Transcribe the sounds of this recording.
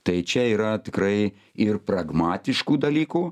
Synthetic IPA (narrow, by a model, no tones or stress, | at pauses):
t̪ɐɪt͡ʃʲɛiːɾɐt̪ʲɪkɾɐɪ | ɪrpɾɐɡmɑːt̪ʲɪʃkuːd̪ɐlʲiːkuː